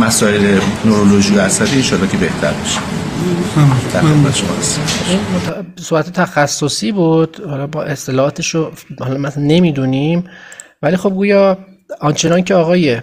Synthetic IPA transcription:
mæsɒːelenoɾoloʒijoæsæd̪iːenʃɒːlːɒːcʰebeht̪ʰæ̰ɾbɒʃi̥ | d̪̥æɾxed̪mæt̪ʰe̥ʃomɒ̰eseʃinmot̪ʰsobæt̪ʰet̪ʰæxæsːosiːbud̪̥hɒlɒbɒːʔe̞st̪e̞lɒːɒːt̪ʰeʃohɒlɒmæsnːe̞miːd̪uːnim | væliːxo̞b̚ɡuːjɒː | ɒnt͡ʃʰe̞nɒncʰeɒːɣɒːje

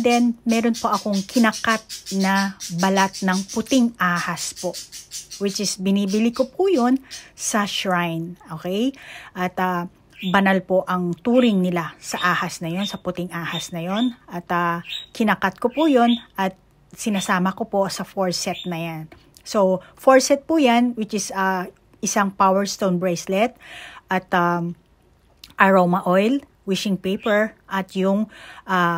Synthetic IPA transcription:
d̪ɛnmɛːɾo̞npo̞ʔɐko̞ŋkʰɪnɐkat̪̚nɐbɐlat̪̚nɐŋpʊt̪ɪŋʔaːhɐspo̞ʔwɪt͡ʃɪsbɪniːbɪlikopʰujonsɐʃɹajnʔokɛjʔɐt̪ɐ | bɐnalpo̞ʔɐŋt̪uːɾɪŋnɪlasɐʔaːhɐsnɐjo̞nsɐpʊt̪ɪŋʔaːhɐsnɐjo̞nʔɐt̪ɐkɪnɐkɐt̪̚kopujo̞nʔɐt̪̚ | sɪnasaːmɐkopo̞sɐfoɹsɛt̪̚nɐjan | sofoɹsɛt̪̚pujanwɪt͡ʃɪsɐ | ʔɪsaŋpawɛɹst̪ownbɹɛjslɛt̪̚ʔɐt̪a | ʔɐɹomɐʔojl | wɪʃɪŋpejpɛɹʔɐt̪jʊŋʔa

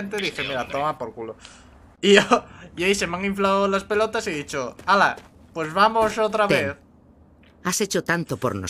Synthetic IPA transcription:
nt̪̬eðixemiɾat̪omapoɾkulo | ioiaisemaŋiɱflawlaspelot̪asiðit͡ʃoala | pwezβamosot̪ɾaβeθ | aset͡ʃot̪ant̪opo̰ɾno̰

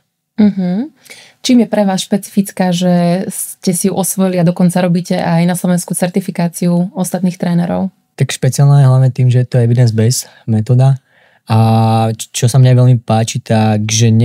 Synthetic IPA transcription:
m̩ɦm̩ | t͡ʃiːmjɛpɾɛʋaːsʃpɛt͡si̥fit͡skaːʒɛscɛsijuʔɔsʋɔjiliad̪ɔkɔnt͡saɾɔbiːcɛʔajnaslˠɔʋɛnskut͡sɛɾt̪ifikaːt͡siuɔst̪at̪niːxt̪ɾɛːnɛɾɔ̰ʊ | t̪akʃpɛt͡sialnajɛɦlaʋɲɛt̪iːmʒɛjɛt̪ɔɛʋid̪ɛnzbɛz | mɛt̪ɔd̪a | a | t͡ʃɔsamɲaʋɛlmipaːt͡ʃit̪akʒɛɲ

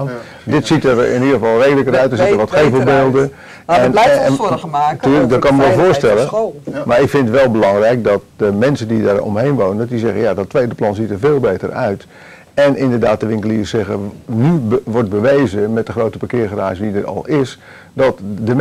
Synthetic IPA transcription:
n | dɪtsitərɪnilˠəvɑlˠrejdələkəɾœɥtdəsitəɹʋɔtxevəlˠbeːlˠdə | ɛn | tyːlək̚dɔt̚kɑnməʋɛlˠvoːrstɛlˠəmaɹɪkfɪntətʋɛlˠbəlɑŋrɛjk̚dɔt̚dəmɛnsəndidarɔ̰mɦejnʋownəndɔtdizɛɣənjadɔtːʋejdəplˠɑnzitərveːlˠbeːtə̰rœ̰ɥt | ɛnʔɪndərdaːt̚dəʋɪŋkəliːrsɛɣənyʋɔɹt̚bəʋejzəmɛt̚dəχroːwtəpakɪːrχəra̰ːʒʋidərɔ̰lˠɪs | dɔtdə

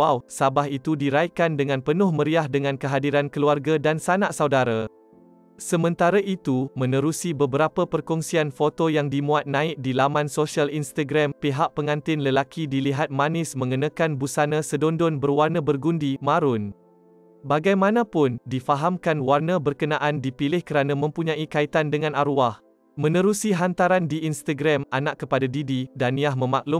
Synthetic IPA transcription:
awsabaɦit̪udiɾajkandəŋãnpənʊhmə̃ɾiahdəŋãnkəɦadiɾankəluarɡadansanaʔsawdaɾa | səmə̃nt̪aɾaʔit̪umə̃nə̃ɾusibəbəɾapəpərkɔŋsianfot̪ojaŋdimũat̪̚nãɪk̚dilamãnsosialinst̪aɡɾampiɦaʔ̚pəŋãnt̪ɪnləlakidiliɦat̪̚mãnɪsmə̃ŋənãkanbusanãsədondʊnbərwarnabərɡundimaɾʊn | baɡajmãnãpʊndifaɦamkanwarnabərkənaʔandipilɪhkəɾanãmə̃mpuɲãikait̪andəŋãnaɾuah | mə̃nə̃ɾusiɦant̪aɾandiinst̪aɡɾamanaʔkːəpadadididanĩahmə̃maʔlʊ

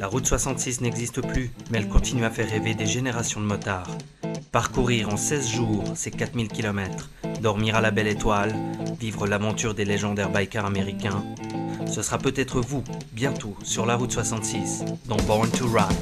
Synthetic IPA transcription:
laʁut̪swasɑ̃t̪sisnɛɡzist̪əplymɛɛlkɔ̃t̪inyafɛʁːeved̪eʒeneʁasjɔ̃d̪əmɔt̪aʁ | paʁkuʁiʁɑ̃sɛzʒuːʁsekat̪milkʲilɔmɛt̪χ | d̪ɔʁmiʁalabɛlet̪walvivʁəlavɑ̃t̪yʁd̪eleʒɑ̃d̪ɛʁbajkʲɛ̃ameʁikʲɛ̃səsəʁapøt̪ɛt̪χəvubjɛ̃t̪osyʁlaʁut̪swasɑ̃t̪sisd̪ɑ̃bɔʁnt̪uʁa

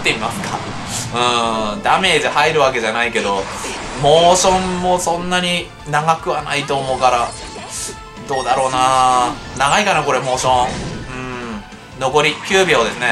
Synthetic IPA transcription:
t̪ːeimasɨ̥ka | ɯ̟̃d̪ame̞ːd̪ehaiɾɯ̟βake̞ʑanaike̞d̪o̞mo̞ːɕõ̞mːo̞sõ̞nːaɲ̟i | naɡakɯ̟βanait̪o̞ːmo̞ːkaɾa | d̪o̞ːd̪aɾo̞ːna | naɡaikanako̞ɾe̞mo̞ːɕõ̞ɯ̟̃ɴ | no̞ko̞ɾʲikʲɨːbʲioːd̪e̞sɨne̞

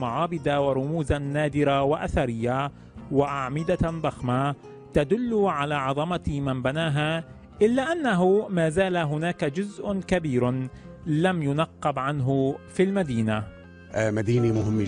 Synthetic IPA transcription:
maʕɑːbɪd̪awɪɾˤʊmuːzanːaːd̪ɪɾawaʔaθaɾɪjːa | wɪʔaʕmɪd̪ad̪ˤɑxma | t̪ad̪ʊlːʊʕalaːʕɑðˤɑmɑmɪnbanaːɦa | ʔɪlːaːʔanːaɦʊmaːzaːlaɦʊnaːkad͡ʒʊzʔʊkabiːɾ | lamjʊnɑqːɑbʕanɦʊfilmad̪iːna | mad̪iːnimʊɦɪmː

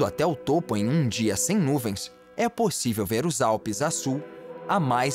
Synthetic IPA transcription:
d̪ʊa̰t̪ɛʊt̪opʊẽj̃ũd͡ʒiɐsẽj̃nuvẽj̃s | ɛposivewveɾʊzawpɪzasuwamaj

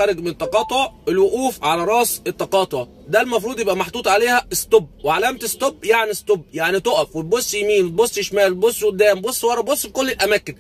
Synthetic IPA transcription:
æɾˤɪɡmenet̪ˤːɑqɑːt̪ˤoʕelwʊʔuːfʕalæɾˤɑʔset̪ːɑqɑːt̪ˤoʕ | d̪ælmɑfɾˤuːd̪ˤjebʔæmɑħd̪ˤuːt̪ˤʕaleːhæest̪obweʕalæmt̪est̪obːjaʕnist̪obːjaʕnit̪oʔæfwet̪̚bosˤːjmiːnwet̪bosˤːjeʃmæːlt̪bosˤːwod̪ːæːmbosˤːwɑɾˤɑbosˤːfikolːelʔæmæːkɪn

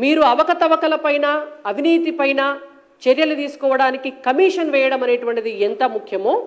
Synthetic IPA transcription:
miːɾuɐʋɐkɐt̪ɐʋɐkɐlɐpɐjnɐːʋʱiniːt̪ipɐjnɐ | t͡ʃeɾjɐlut̪iːsu̥kɔːʋɐɽaːnikikɐmiːʂɐnʋɛːjɐɽɐmɐne̞ːʈuʋɐɳʈid̪ient̪ɐmukʰjɐmo̞ː

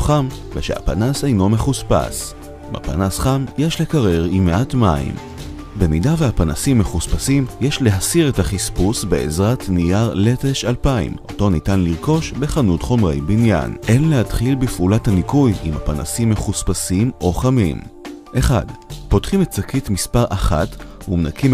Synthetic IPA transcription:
χamveʃḛha̰pa̰nasejno̞me̞χuspa̰s | ba̰pa̰nasχamjeʃle̞kaʁe̞ʁimeʔatmaḭm | be̞midaveapana̰simːe̞χuspasimjeʃle̞ɦasiʁe̞taχispusbe̞ezʁatnijaʁle̞te̞ʃalpaḭmo̞̰to̞nitanliʁko̞ʃbe̞χanutχo̞mʁe̞jbinja̰nʔe̞nlehad̥χilbifʔulathanikujimhapana̰simːe̞χuspasimo̞χamḭm | ʔe̞χa̰dpo̞tχimet̚t͡sakitmispaʁʔaχa̰tumnakʰim

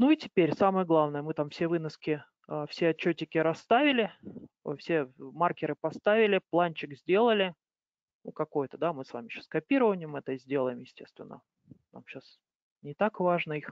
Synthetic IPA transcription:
nuitʲɪpʲeɾʲsaməjəɡlˠavnəjəmɨt̪amfsʲevɨnəskʲɪ | əfsʲeɐt͡ɕːɵtʲːɪkʲɪɾɐsːt̪avʲɪlʲɪ̰fsʲe̞markʲɪɾɨpɐst̪avʲɪlʲɪplˠanʲt͡ɕɪkzʲdʲe̞lˠəlʲɪ | nukɐko̞jt̪əd̪amɨsva̰mʲɪɕo̥skɐpʲiɾəvənʲɪjmɛt̪əzʲdʲe̞lˠəjɪmjɪsʲtʲe̞st̪vʲɪ̰nːə̰ | na̰mɕas | nʲɪt̪akvaʐnəix

